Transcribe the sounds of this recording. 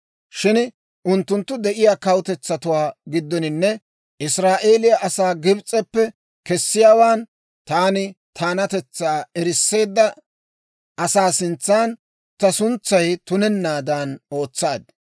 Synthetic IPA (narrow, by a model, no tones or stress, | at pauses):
ʃɪn | ʔʊnt̪ːʊnt̪ːʊd̪ɛʔɪjaːkɐwt̪ɛt͡sːɐt̪ʊwaːɡɪd̪ːɔnɪnːɛ | ʔɪsɾaːʔe̞ːlɪjaʔɐsaːɡɪbt͡sʼːɛpːɛ | kɛsːɪjaːwaːn | t̪aːnɪt̪ʰaːnɐt̪ɛt͡sːaːɛɾɪsːe̞ːd̪ːɐ | ʔɐsaːsɪnt͡sːaːn | t̪ɐsʊnt͡sːɐjt̪ʊnɛnːaːd̪aːno̞ːt͡sːaːd̪